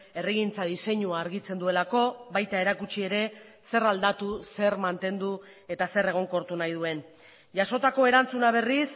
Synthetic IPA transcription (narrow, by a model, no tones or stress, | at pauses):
e̞riɣint͡sað̞ise̞ɲuaːɾɣit͡se̞nd̪ue̞lako̞βajt̪ae̞ɾakut͡ʃie̞ɾe̞se̞rald̪at̪use̞ɾmant̪e̞nd̪u | e̞t̪ase̞re̞ɣ̞o̞ŋko̞ɾt̪unajð̞ue̞n | ʝaso̞t̪ako̞e̞ɾant͡sunaβ̞e̞ris